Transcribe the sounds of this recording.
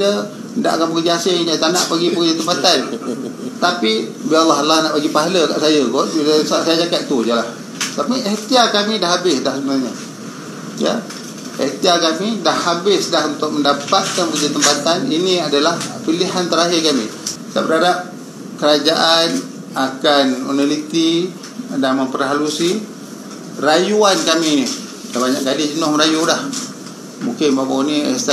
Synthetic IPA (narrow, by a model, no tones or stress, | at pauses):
ə | nda̰ʔakanpəkərd͡ʒaasɪat̪ana̰ʔpaɡipəkərd͡ʒat̪əmpat̪an | t̪apibialːaɦlanaʔpaɡipaɦaləka̰ʔsajəɡɔbiləsaʔsajad͡ʒakat̪̚t̪ud͡ʒəlah | t̪apiʔɛht̪iakamĩdaɦabɪsdahsəbənarɲə | jə̰ | ɛht̪iakamidahːabɪsdaɦunt̪ʊk̚məndapat̪̚kanpəkd͡ʒat̪əmpat̪aniniadalahpiliɦant̪əɾaɦɪrkamḭ̥ | t̪a̰ʔbəɾadap̚ | kəɾad͡ʒaʔan | akanṵnalit̪i | daməmpəɾɦalusi | rajuankami | dahbaɲa̰ʔɡadɪd͡ʒənʊhməɾajudah | muŋkɪnbabawnḭst̪a